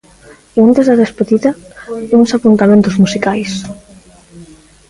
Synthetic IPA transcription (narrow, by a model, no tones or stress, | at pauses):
ant̪ezðaðespeðiðɐuŋsapunt̪amẽnt̪ʊzmusikajs